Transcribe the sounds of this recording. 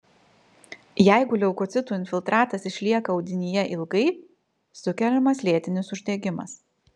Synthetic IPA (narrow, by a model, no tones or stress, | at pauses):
jæɪɡʊlʲɛʊkɔt̪sʲɪt̪uːɪnʲfʲɪlˠt̪ɾɑːt̪ɐsɪʃʲlʲiɛkɐɒʊd̪ʲɪnʲijɛʔɪlˠɡɐɪ | sʊkʲɛlʲɛmɐslʲeɛt̪ʲɪnʲɪsʊʒʲd̪ʲɛɡʲɪmɐ̰s